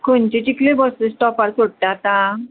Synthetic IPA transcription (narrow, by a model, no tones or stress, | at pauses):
kʰont͡ɕet͡ɕiklebɔsesʈɔpaɾsoɽʈat̪a